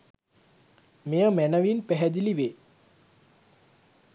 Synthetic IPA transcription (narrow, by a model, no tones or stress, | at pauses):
mejəmænəʋinpæɦæd̪iliʋeː